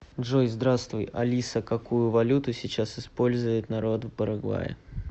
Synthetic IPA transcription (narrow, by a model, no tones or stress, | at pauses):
dʐojzd̪ɾast̪vʊjɐlʲisəkɐkujʊvɐlʲut̪ʊsʲɪt͡ɕasɪspo̞lʲzʊjɪt̪nɐɾo̞t̪vpəɾɐɡva̰jɪ̰